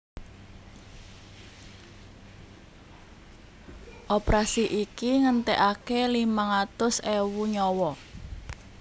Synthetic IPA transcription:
ʔopɾasiʔikiŋənt̪ɛʔakelimaŋat̪ʊsewuɲɔwɔ

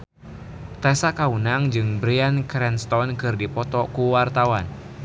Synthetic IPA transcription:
t̪asakaunaŋd͡ʒɨŋbɾiankɾɛnst̪ɔnkɨrdipɔt̪ɔkuwart̪awan

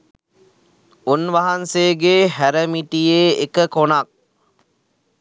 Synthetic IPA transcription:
unʋɐɦɐnseːɡeːɦæɾəmiʈijeːekəkonak̚

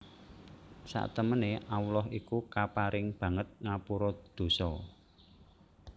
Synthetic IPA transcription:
sa̰ʔt̪əməneʔawulɔɦikukapaɾʔɪŋb̥ä̤ŋət̪̚ŋapuɾɔd̪̥o̤sɔ

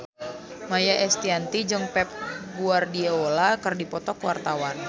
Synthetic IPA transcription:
majaʔɛst̪iant̪id͡ʒɨŋpɛp̚ɡuardiaolakərdipɔt̪ɔkwart̪awan

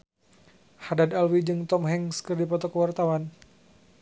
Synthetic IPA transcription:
hadad̪alwid͡ʒɨŋt̪ɔmɦɛŋskɨrdipɔt̪ɔkəwart̪awan

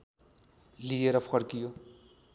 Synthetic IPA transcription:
lijeɾʌpʰʌɾkijo

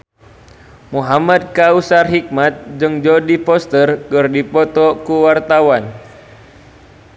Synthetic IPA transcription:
muɦamad̚kausarɦik̚mat̪̚d͡ʒɨŋd͡ʒɔdipɔst̪ərkərdipɔt̪ɔkuwart̪awan

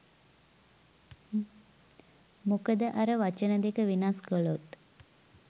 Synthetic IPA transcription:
mukəd̪əʔaɾəʋat͡ʃənəd̪ekəʋinaskəlot̪

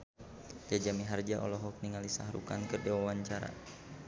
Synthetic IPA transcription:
d͡ʒad͡ʒamiɦard͡ʒaʔɔ̰lɔɦɔk̚niŋalisaɦɾṵka̰nkərdawawaɲt͡ʃaɾa̰

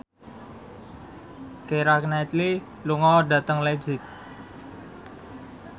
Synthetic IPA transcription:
keɾaknait̪li | luŋɔdat̪əŋlɛksɪk̚

